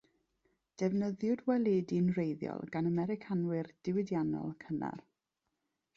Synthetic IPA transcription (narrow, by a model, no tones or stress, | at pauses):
d̥ɛvnəðjʊdwɛlˠidinrejðjɔ̰lˠɡanəmɛɾɪkʰanwɨrd̥ɪwɪdjanɔ̰lˠkʰəna̰r